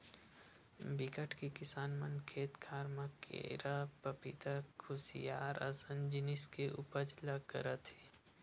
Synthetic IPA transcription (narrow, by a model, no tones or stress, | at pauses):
bɪkəʈʰkekɪsaːnmɐnkʰeːt̪kʰaːɾmakʰḛːɾapɐpɪt̪akʰʊsḭjaːɾɐ̰sənd͡ʒɪnɪskeʔʊ̰pəd͡ʒlakə̰ɾət̪ɦeː